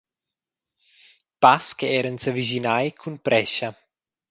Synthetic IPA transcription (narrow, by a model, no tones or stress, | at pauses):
paskeɛɾənsəviʒinajkʰunpɾɛʃa